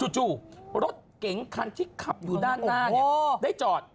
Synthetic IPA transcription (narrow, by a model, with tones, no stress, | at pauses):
su˨˩t͡ɕuː˧˩ɾo˦˥t̪̚ke˩˦ŋkʰa˧nt̪ʰiː˥˩kʰa˨˩p̚juː˨daː˥˩nːaː˥˩˦daː˥˩jt͡ɕɔː˨˩t̪̚